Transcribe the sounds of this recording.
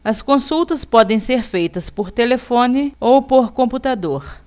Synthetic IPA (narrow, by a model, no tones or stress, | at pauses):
ɐskõsuwt̪ɐspɔd̪ẽj̃seɾfejt̪ɐspoɾt̪elefõnɪowpoɾkõmput̪ad̪oɾ